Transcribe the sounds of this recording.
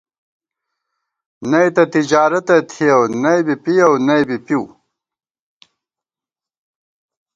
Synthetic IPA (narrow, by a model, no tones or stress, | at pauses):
nɐjt̪ɐt̪id͡ʑaːɾɐt̪ɐt̪ʰiɐwnɐjbipijawnɐjbipiw